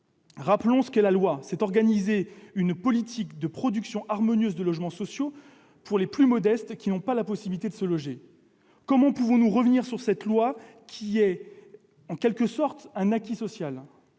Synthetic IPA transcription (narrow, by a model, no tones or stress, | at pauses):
ʁaplɔ̃sə̥kɛlalwasɛt̪ɔʁɡanizeynpɔlit̪ʰikd̪əpχɔd̪yksjɔ̃ʔaʁmɔnjøzd̪əlɔʒmɑ̃sɔsjo | pʰuʁleplymɔd̪ɛst̪kʲinɔ̃palapɔsibilit̪ed̪əsəlɔʒe | kɔmɑ̃puvɔ̃nuʁəvniʁsyʁsɛt̪lwa | kʲʰiɛ | ɑ̃kʲɛlkəsɔʁt̪ɛ̃nakʲisɔsjal